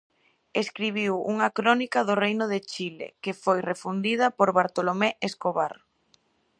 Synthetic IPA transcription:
eskɾiβ̞iwuŋɐkɾɔnikɐðʊrejnʊð̞et͡ʃilḛkefojrefund̪ið̞ɐpoɾβaɾt̪olomeeskoβar

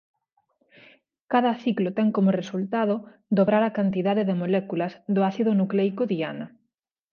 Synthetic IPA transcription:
kaðɐθiklot̪ɛŋkomʊresult̪að̞od̪oβɾaɾakant̪iðaðeðemolɛkulɐzðʊaθiðʊnuklɛjkoðia̰nɐ

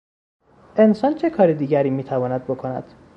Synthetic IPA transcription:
ʔe̞nsɒːnt͡ʃʰe̞kʰɒːɾed̪iːɟæɾiːmiːt̪ʰævɒːnæd̪̚bo̞kʰo̞næ̰d̪̥

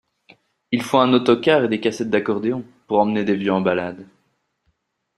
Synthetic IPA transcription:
ilfõɛ̃not̪ɔkaʁed̪ekasɛt̪̚d̪akɔʁd̪eɔ̃ | puʁɑ̃mned̪evjøɑ̃balad̪

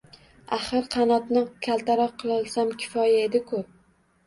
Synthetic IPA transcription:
aχɨɾqʰɑnɒt̪nɪkʲʰalˠt̪ʰaɾɒqʰːɨlˠɒlˠsamkʲʰɪ̥fɒjae̞d̪ɪkʰʊ

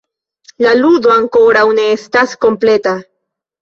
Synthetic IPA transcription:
lalud̪oaŋkoɾawneest̪asko̞mplet̪a

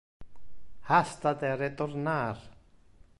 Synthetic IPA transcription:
hast̪at̪ɛɾɛt̪ɔɾnaːɾ̥

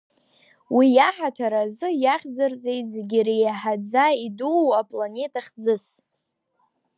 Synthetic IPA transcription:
wijaħatʰaɾazɨjaχʲd͡zɨrd͡ze̞jtʼzeɡʲirejaħad͡zaiduwapʼlane̞tʼʰaχd͡zɨs

